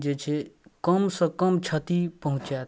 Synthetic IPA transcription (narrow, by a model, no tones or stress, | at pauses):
d͡ʒet͡ʃʰekəmsə̃kəmt͡ʃʰət̪ipəɦũt͡ʃa